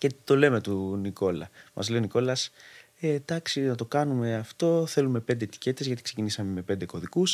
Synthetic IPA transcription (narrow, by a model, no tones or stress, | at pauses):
ce̞t̪o̞le̞me̞t̪uniko̞lɐ̰mɐ̰zle̞o̞niko̞lɐs | ed̪̥ɐksinɐt̪o̞kɐnume̞ɐft̪o̞θe̞lume̞pe̞nd̪et̪i̥ce̞t̪e̞zʝɐt̪ikse̞cinisɐme̞me̞pe̞nd̪e̞ko̞ðikus